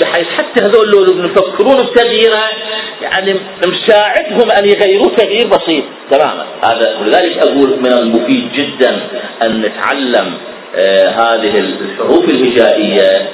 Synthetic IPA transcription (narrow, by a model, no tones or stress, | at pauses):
bɪħeːθħat̪ːahaðoːlːoːlunfakʰːɪɾuːnub̚t̪aɣjɪɾhaja̰ʕni | msaːʕɪd̪hʊmʔanjɣajːɾuːt̪aɣjiːɾbɑsˤiːt̪̚ˤt̪ama̰ːma̰nha̰ːðawlɪðaːlɪkʔaɡuːlmɪnɪlmʊfiːd̪̚d͡ʒɪd̪ːanʔanːɪt̪ʕa̰lːam | ɦaːðɪɦɪllħʊɾuːfɪlhɪd͡ʒaːʔɪjːa